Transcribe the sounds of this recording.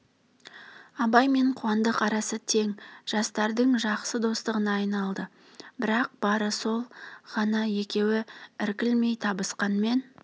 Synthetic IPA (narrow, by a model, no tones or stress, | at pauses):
ɑbɑjme̞ɴqʰuɑnd̪əqɑɾɑsət̪ʰe̞ŋʒ̥ɑst̪ɑɾd̪əɴʒɑqsəd̪o̞st̪əʁənɑːjnɑlˠd̪ə | bɪɾɑq̚b̥ɑɾəso̞lˠχɑnɑje̞kʲe̞wɪɪɾkʲɪlme̞jt̪ʰɑbəsqɑnme̞n